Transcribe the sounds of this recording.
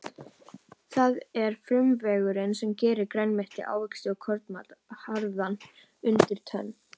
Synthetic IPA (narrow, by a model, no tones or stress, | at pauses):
θaðɛɾ̥fɾʏmvɛːɣʏɾɪnsɛmcɛːɾɪɾkɾajnmɪht̪ɪ̰ʔa̰ːwvʏksɪɔkʰɔɾt̪mat̪haɾðan | ʏnt̪ɪɾ̥t̪ʰœ̰nː